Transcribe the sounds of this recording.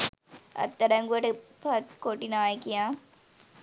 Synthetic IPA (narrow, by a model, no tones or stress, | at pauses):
ɐ̰t̪ːɐɾɐŋɡuɐʈpʰɐt̪koːʈːinaːjɐkːijãː